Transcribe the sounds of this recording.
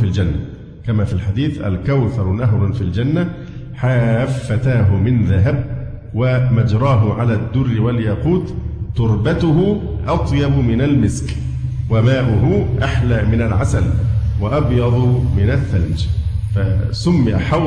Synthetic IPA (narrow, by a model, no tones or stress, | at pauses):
fild͡ʒanːa̰ | kamaːfilħad̪iːθʔa̰lkawθɑɾˤnaɦɾˤfild͡ʒanːa | ħaːfːat̪aːɦʊmɪnðaɦab | wamad͡ʒɾˤɑːɦʊʕalaːd̪ːʊrːɪwaljaːquːt̪ːʊɾˤbat̪ʊhʊʔɑt̪ˤjɑbmɪnalmɪsk | wamaːʔʊhʊʔaħlaːmɪnalʕasalwaʔɑbjɑd̪ˤmɪnaθːald͡ʒfasʊmːɪjaħa